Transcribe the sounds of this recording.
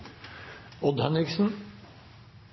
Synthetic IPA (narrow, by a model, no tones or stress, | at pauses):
ɔd̪hœnɪksn̩